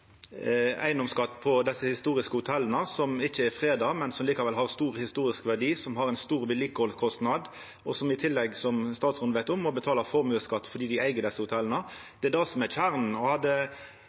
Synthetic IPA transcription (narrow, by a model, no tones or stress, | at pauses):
æ̰ɪnɔmskɑt̪ːpʰɔd̪ɛsːəhɪst̪uːɾɪskəhʊt̪ʰɛlːənəsɔmɪçəɛfʁeːd̪ɑːmɛnsɔmliːkɑʋɛlɦɑʁst̪uːʁhɪst̪uːɾɪskʋæʁɖiːsɔmhɑʁɛɪnst̪uːʁbɪlɪkːəhɔlkʰɔst̪nɑd̪ | ɔsɔmɪt̪ʰɪlːɛɡsɔmst̪ɑːt̪sʁʊnd̪əʋæɪt̪ɔmːɔbət̪ʰɑːlɑfɔʁmʉːskɑt̪ːfɔɖ̪iːd̪ɪæɪɡəd̪ɛsəhʊt̪ʰɛlːənəd̪̥ɛæɛd̪ɑsɔmɛçæʁn̩ɔhɑd̪ːə